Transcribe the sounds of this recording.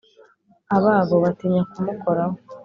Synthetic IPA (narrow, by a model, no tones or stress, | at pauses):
aβaːβo̞βatiɲakumuko̞ɾaho